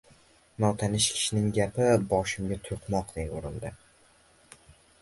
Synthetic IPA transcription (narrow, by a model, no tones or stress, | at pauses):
nɒwt̪ʰanɪʃkʲʰɪ̥ʃɪnɪŋɡʲapɪbɒʃɪmɡʲat̪ʰoqmɒqd̪̥ejoɾɪld̪ɪ